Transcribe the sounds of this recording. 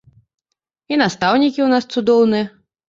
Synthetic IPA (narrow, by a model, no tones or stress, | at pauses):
inast̪awnʲikʲiwnast̪sud̪ɔwnɨjɐ